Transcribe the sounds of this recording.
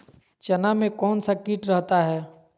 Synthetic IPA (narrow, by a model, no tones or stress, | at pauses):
t͡ʃɐnamẽkɔːnsakiːʈɾɐɦt̪aɦɛː